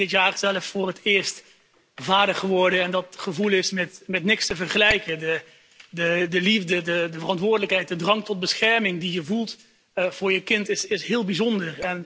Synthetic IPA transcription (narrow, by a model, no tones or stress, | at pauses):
dɪtjaːrz̥ɛləffʊːrɦətɪːɹst | vaːdəχəʋɔɹdəɛndɑtχəvulˠɪsmɛtmɛtnɪkstəvərχəlɛjkədə | dədəlivdədədəvərɑntʋʊːɹdələkɦɛjt̚dədrɑŋtɔt̚bəsχɛɹmɪŋdijəvulˠt | v̥ʊːɹjəkɪntɪsɪsɦɪːlˠbizɔndərɛn